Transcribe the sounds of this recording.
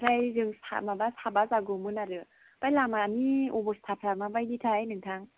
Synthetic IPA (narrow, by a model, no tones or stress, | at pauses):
ɾajzɯŋsʰa̰mabasabazaɡumɯnaɾɯ | pajlamaniubɔst̪ʰapʰɾamabajditʰajnɯŋtʰaŋ